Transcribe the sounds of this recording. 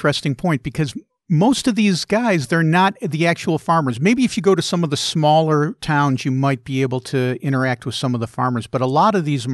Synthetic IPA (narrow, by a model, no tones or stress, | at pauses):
ɛstɪ̃ŋpʰɔ̃ɪ̃n̚b̥ɨkʰʌz | moʊstʌvðizɡaɪzðə˞nətðiæk̚t͡ʃul̩ˠfɑɹmə˞zmeɪbiɨfjɨɡoʊɾɨsʌ̃mʌvðɨsmɔlˠə˞tʰãʊ̃nzjɨmaɪt̚b̥ieɪbl̩ˠtʰɨɪ̃ɾ̃ə˞æk̚t̚wɨð̥sʌ̃mʌvðəfɑ̰ɹmə˞zb̥ʌɾəlɔɾʌvðiz